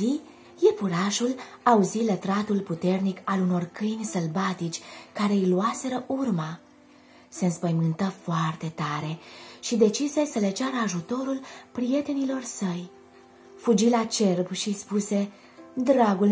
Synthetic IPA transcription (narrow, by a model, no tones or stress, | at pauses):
i | jefuɾaʃulauzilət̪ɾat̪ulput̪e̞rnikaluno̞rkɨjnʲsəlbat̪it͡ʃʲkaɾe̞ijluase̞ɾəʔurma | se̞ɨnspəjmɨnt̪əfoart̪e̞t̪aɾe̞ʃid̪e̞t͡ʃise̞səle̞t͡ʃaɾəaʒut̪o̞ɾulpɾije̞t̪e̞nilo̞rsəj | fud͡ʒilat͡ʃe̞rbʃispuse̞ | d̪ɾaɡul